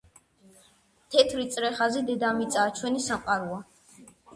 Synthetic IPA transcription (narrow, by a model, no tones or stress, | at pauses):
t̪ʰɛt̪ʰɾit̪sʼɾɛχazid̪ɛd̪amit̪sʼaːt͡ʃʰwɛnisamqʼaɾua